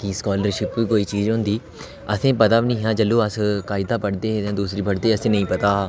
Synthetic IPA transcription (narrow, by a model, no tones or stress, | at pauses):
kiskɔːləɾʃɪpʋiːkoːiːt͡ʃiːd͡ʒɦʊ̃nd̪iː | əsẽːpət̪aːbnĩːɦãːd͡ʒəlːoːəskaːɪd̪aːpəʈd̪ẽːẽːd̪uːsɾiːpəʈd̪eːəsẽːnəĩːpət̪aː